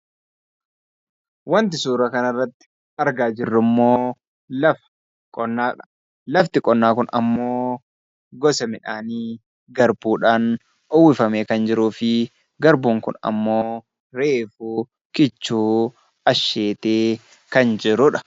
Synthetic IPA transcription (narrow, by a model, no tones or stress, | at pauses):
wɐnt̪ɪsuːɾɐkɐnɐrːɐt̪ːɪ̥ | ɐɾɡaːd͡ʒɪrːʊmːo̞ː | ɐ | kʼː | lɐft̪ɪkʼɔnːaːkʊnɐ̰mːoː | ɡɔsɐmɪᶑaːniː | ɡɐɾbuːᶑaːn | ɔwɪfɐmeːkɐnd͡ʒɪɾuːfɪ | ɡɐɾbuːŋkʊ̰nɐ̰mːo̞ː | ɾeːfuː | kɪt͡ʃːuː | ɐʃːe̞ːt̪eː | kɐnd͡ʒɪɾʊᶑɐ̥